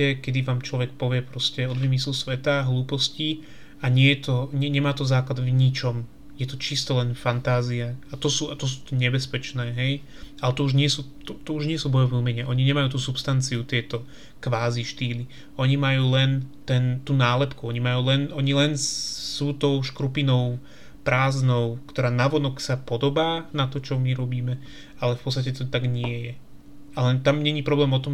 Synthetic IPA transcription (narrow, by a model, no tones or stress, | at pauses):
ɛkɛd̪iʋaːmt͡ʃlɔʋɛk̚pɔʋɪɛpɾɔscɛɔd̪ʋimislusʋɛt̪aɦluːpɔsci | aɲɪɛjɛt̪ɔɲɛɲɛmaːt̪ɔzaːklad̪vɲit͡ʃɔm | jɛt̪ɔt͡ʃist̪ɔlɛnfant̪aːziaat̪ɔsuːat̪ɔs̬u̥ːt̪ɔɲɛbɛspɛt͡ʃnɛːɦɛj | alɛt̪ɔuʒɲɪɛsuːt̪ɔt̪ɔuʒɲɪɛsuːbɔjɔʋiumɛɲɛʔɔɲiɲɛmajuːt̪uːsupst̪ant͡siut̪ɪɛt̪ɔ | kʋaːziʃt̪iːli | ɔɲimajuːlɛnt̪ɛnt̪uːnaːlɛpkuɔɲimajuːlɛnʔɔɲilɛnsuːt̪ɔʊʃkɾupinɔʊ | pɾaːznɔʊkt̪ɔɾaːnaʋɔnɔksapɔd̪ɔbaːnat̪ɔt͡ʃɔmiɾɔbiːmɛ | alɛfpɔtt͡sst̪acɛt̪ɔt̪aɡɲɪɛjɛ | alɛnt̪amɲɛɲipɾɔblɛːmɔt̪ɔm